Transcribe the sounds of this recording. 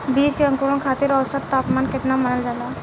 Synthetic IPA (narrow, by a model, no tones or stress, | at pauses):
biːd͡ʒkeɐ̃ŋkuːɾõkʰaːt̪ɪɾɔːsət̪t̪ːaːpmaːnkɪt̪namɐnəld͡ʒaːlaː